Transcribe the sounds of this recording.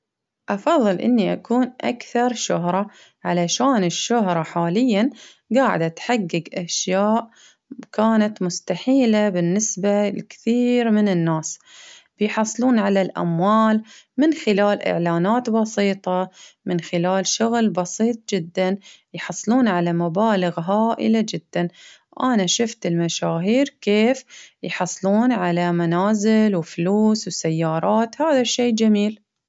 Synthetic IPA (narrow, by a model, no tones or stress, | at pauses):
ʔɑfɑðˤːɨlʔɪ̰nːiʔakuːnʔa̰kθɑɾˤʃʊɦɾˤɑ | ʕalaʃaːnɪʃːʊhɾˤɑħaːlɪjːan | ɡaːʕɪ̰d̪ʔat̪ħaɡːɪɡʔaʃjaːʔ | kaːnat̪mʊst̪aħiːlabɪnːɪsbalkθiːɾmɪnɪnːaːsb̥ɪjħɑsˤːluːnʕalalʔa̰mwaːlmɪnxɪlaːlʔɪ̰ʕlaːnaːt̪bɑsˤiːt̪ˤɑmɪnxɪlaːlʃʊɣlbɑsiːt̪̚ˤd͡ʒɪd̪ːan | jħɑsˤːluːnʕalamabaːlɪɣɦaːʔɪ̰lad͡ʒɪd̪̥ːan | ʔanaʃʊft̪ɪlmaʃaːɦiːɾkeːfjħɑsˤːluːnʕalamanaːzɪlwɪfluːswsajːɑːɾˤɑːt̪haːðaʃːeːd͡ʒamiːl